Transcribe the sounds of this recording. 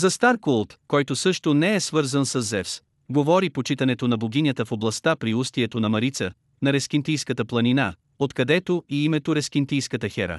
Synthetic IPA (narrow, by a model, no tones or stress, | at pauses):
zɐst̪aɾkulˠt̪kɔjt̪osɤʃt̪onɛɛsvɤɾzənsɐzːɛfs | ɡovɔɾipot͡ʃit̪ɐnɛt̪onɐboɡʲinʲət̪əfoblˠɐst̪apɾiust̪iɛt̪onɐmɐɾit̪sə | nɐɾɛsk̟ʲint̪ijskət̪əplˠɐnina̰ | ot̪kɐd̪ɛt̪oiimɛt̪oɾɛsk̟int̪ijskət̪əxɛɾə̰